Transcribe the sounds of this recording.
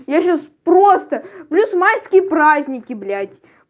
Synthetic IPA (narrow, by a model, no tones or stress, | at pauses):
jaɕaspɾost̪əplʲusmajskʲɪjəpɾazʲnʲɪkʲɪblʲatʲ